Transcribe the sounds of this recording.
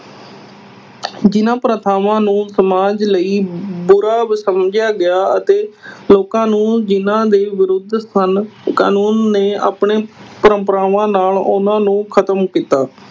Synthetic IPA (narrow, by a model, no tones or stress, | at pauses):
d͡ʒɪnãːpɾət̪ʰaːʋãːnũːsəmaːd͡ʒləiːbʊɾaːbsəmd͡ʒjaːɡɪjaːət̪eːloːkãːnũːd͡ʒɪnãːd̪eːʋɪɾʊd̪ʱsənka̰ːnuːnːeːa̰ːpɳeːpəɾəmpəɾaːʋãːnaːlʊ̰nãːnũːkʰət̪əmkiːt̪aː